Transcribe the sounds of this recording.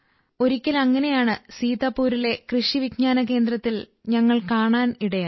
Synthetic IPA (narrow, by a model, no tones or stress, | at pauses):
o̞ɾikʲːɐlɐŋːɐne̞jaːɳɨsiːðaːpːuːɾile̞krɨʂiʋik̚ɲaːnɐke̞ːnd̪ɾɐt̪ːil | ɲɐŋːɐɭkaːɳaːniɽɐja